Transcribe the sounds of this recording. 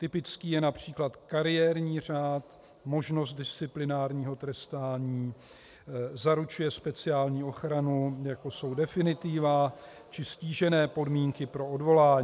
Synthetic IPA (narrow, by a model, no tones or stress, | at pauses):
t̪ɪpɪt͡skiːjɛnapr̝̥iːklat̪kaɾɪjɛɾɲiːr̝aːt̪ | mo̞ʒno̞s̬t̪̚dɪst͡sɪplɪnaːɾɲiːɦo̞t̪ɾɛst̪aːɲiː | zaɾut͡ʃujɛspɛt͡sɪaːlɲiːo̞xɾanujako̞so̞wdɛfɪnɪt̪ɪvaː | t͡ʃɪsciːʒɛnɛːpo̞dmiːŋkɪpɾo̞ʔodvo̞laːɲː